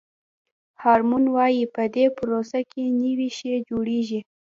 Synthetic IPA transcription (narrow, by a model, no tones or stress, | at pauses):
hɑɾmunwɑjipəd̪epʊɾosakʰenəwiʃed͡ʒoɽeʒi